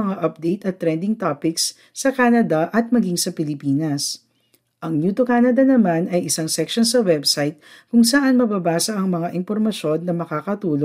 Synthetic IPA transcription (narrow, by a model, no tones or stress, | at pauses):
ɐŋaʔɐp̚d̪ɛjt̪ɐt̪ːɾɛnd̪ɪŋt̪apɪks | sɐkaːnɐd̪ɐʔɐt̪̚mɐɡiŋsɐpɪlɪpiːnɐs | ʔɐŋnjuːt̪okaːnɐd̪ɐnɐmanɐjʔɪsaŋsɛkʃonsɐwɛbsajt̪̚kʊŋsɐʔanmɐbabaːsɐʔɐŋmɐŋaʔɪmpoɾmɐʃo̞nːɐmɐkaːkɐt̪uːlo